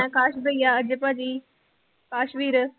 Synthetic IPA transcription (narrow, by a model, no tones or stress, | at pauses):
ɛ̃kaːʃbəiːaːd͡ʒəpaːd͡ʒiː | kaːʃmiːɾ